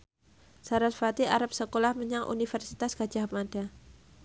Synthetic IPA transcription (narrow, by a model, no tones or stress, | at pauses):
saɾalfat̪iʔaɾap̚səkolahməɲaŋʔṵnifɛrsit̪asɡ̥ḁd͡ʒaɦamada